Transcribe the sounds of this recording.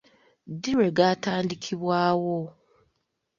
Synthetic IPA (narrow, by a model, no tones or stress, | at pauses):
diɾeɡataːndikʰiβwaːwo